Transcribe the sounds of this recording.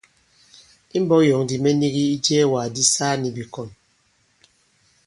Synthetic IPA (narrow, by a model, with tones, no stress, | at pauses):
i˦m̩˦bɔ˦jɔ˨ŋdi˨me˦ni˦ɣi˦i˦d͡ʒɛː˦˨wa˨di˦saː˦ni˨bi˨kɔ˨n